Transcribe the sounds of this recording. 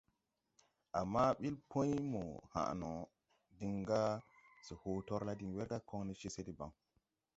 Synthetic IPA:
ʔa˨mːa˦ɓi˦lpʰõ˦jmo˨ha̰˨no˨ | di˨ŋɡa˦si˨ho˨to˦ɾla˦di˨ŋwe˦ɾda˦kʰo˦ŋni˦t͡ʃe˦se˦di˨ba̰˨ŋ

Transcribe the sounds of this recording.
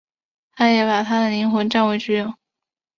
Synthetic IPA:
t̪ʰa˥jɛ˨˧˥pa˨˩t̪ʰa˥d̪ə˨li˧˥ŋxwə˧˥nʈ͡ʂa˥˩nwe˧˥ɪʈ͡ʂɻ̩˥jo˥˩ʊ

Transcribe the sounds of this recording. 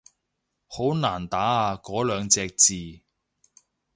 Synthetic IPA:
ho˨˥wnaː˨˩nt̪aː˨˥aː˧kɔː˨˥lœː˨˧ŋt͡sɛː˧k̚t͡siː˨

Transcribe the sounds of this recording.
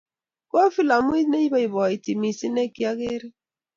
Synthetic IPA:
ko˦fi˦la˨mu˦i˦tne˦i˦ba˦i˨βɔ˨i˨ti˨mi˨si˦ne˦ki˦a˦ɣe˦ɾi˦

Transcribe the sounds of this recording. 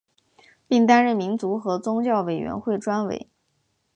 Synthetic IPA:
pi˥˩ŋt̪a˥nɻə˥˩nmi˧˥nt͡su˧˥xɤ˧˥t͡sʊ˥ŋt͡ɕjɑ˥˩ʊwe˨˩ɪɥɛ̰˧˥nxwe˥˩ɪʈ͡ʂwa˥nwḛ˨˩ɪ

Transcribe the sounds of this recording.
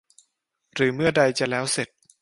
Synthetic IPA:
ɾɯː˩˦mɯ˥˩ɐda˧jt͡ɕa˨˩lɛː˦˥wse˨˩t̪̚

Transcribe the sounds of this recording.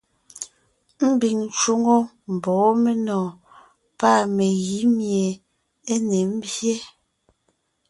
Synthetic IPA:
m̩˦bi˨ŋn˨t͡ʃo˦ŋo˦ | m̩˨bɔː˨˦me˦nɔ̃ː˨ | pa˦˨me˨ɣi˨˦mje˨ | e˦ne˨m̩˦bje˦

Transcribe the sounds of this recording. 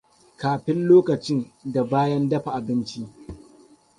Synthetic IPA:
kaː˨ɸɪ˦nloː˦kɐ˨t͡ʃɪ˦nda˨baː˦jɐ˦ndɐ˦ɸa˨ʔa˨bɪ˦nt͡ʃi˦ʔ

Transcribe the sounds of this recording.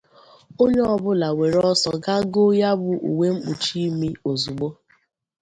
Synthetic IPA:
o˦ɲe˦ɔ˨bʊ˦la˨we˨ɾɔ˦sɔ˨ɡa˦ɡo˦ja˦bʊ˨ʔṵ˨we˦ŋ͡m̩˦k͡pu˨t͡ʃi˦mi˦o˨zu˨ɡ͡bo˦

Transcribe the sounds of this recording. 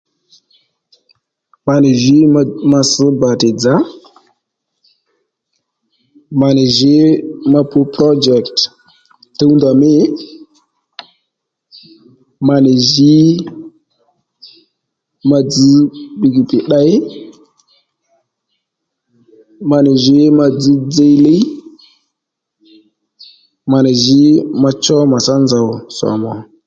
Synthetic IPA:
ma˨ni˨ʒi˦ma˨sə˦ba˨te˨d͡za˦ | ma˨ni˨ʒe˦ma˨pu˦pɾo˦d͡ʒɛ˨kt | tə˦wnda˨me˦ | ma˨ni˨ʒi˦ | ma˦d͡zi˦ɓi˨ɡi˨pi˨ɗa˦j | ma˨ni˨ʒe˨˦ma˦d͡zi˦d͡ze˦jle˦j | ma˨ni˨ʒi˦ma˦t͡ʃɔ˦ma˨sa˦nza˨wsɔ̰˨mɔ˨

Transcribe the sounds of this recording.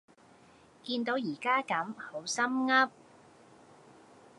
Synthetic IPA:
kiː˧nt̪o˨˥wjiː˨˩kaː˥kɐ˨˥mho˨˥wsɐ˥mŋɐ˥p̚

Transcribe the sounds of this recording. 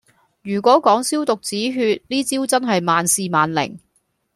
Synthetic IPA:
jyː˨˩kʷɔː˨˥kɔː˨˥ŋsiː˥wt̪ʊ˨k̚t͡siː˨˥ɦyː˧t̚liː˥t͡siː˥wt͡sɐ˥nɦɐ˨jmaː˨nsiː˨˧maː˨nlɪ̰˨˩ŋ

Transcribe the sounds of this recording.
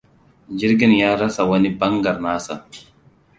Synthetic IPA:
d͡ʒi˦ɾɡi˦njaː˦ɾa˦sa˨wɐ˦ni˦bɐ˦ŋɡa˨ɾnaː˦sa˨

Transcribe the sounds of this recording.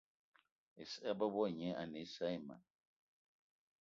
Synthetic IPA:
e˨sa˦ba˦bɔ˦˨ɲɛ˨˦a̰˨ne˨˦sa˦i˦˨ma̰˨

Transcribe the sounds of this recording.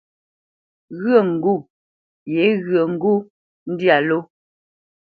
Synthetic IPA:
ɣɰə˦˨ŋ̩˨ɡu˦˨ | je˨˦ɣɰə˨ŋ̩˦ɡu˦ | n̩˦dja˨lo˦

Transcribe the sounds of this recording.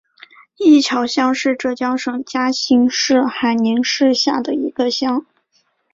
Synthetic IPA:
i˥˩t͡ɕʰjɑ˧˥ʊɕjɑ˥ŋʂɻ̩˥˧ʈ͡ʂɤ˥˩t͡ɕjɑ˥ŋʂɤ˥˩ŋt͡ɕja˥ɕi˧˥ŋʂɻ̩˥˩xa˧˥ɪni˧˥ŋʂɻ̩˥˧ɕja˥˩d̪ə˩i˧˥ɡ̥ə˧ɕjɑ˥ŋ

